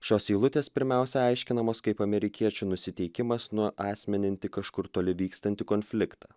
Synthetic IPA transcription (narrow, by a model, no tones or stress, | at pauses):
ʃʲoːsiːlˠʊt̪ʲeːspʲɪɾʲmʲæˑʊsʲɛɐɪʃʲkʲɪnɐmoːskɐɪpɐmʲɛɾʲɪkʲiɛt͡ʃʲunʊsʲɪt̪ʲɛɪkʲɪmɐsnʊʔɑːsʲmʲɛnʲɪnʲt̪ʲɪkɐʃkʊɾt̪oːlʲɪʋʲiːkst̪ɐnʲt̪ʲɪkoːnʲfʲlʲɪkt̪ɑː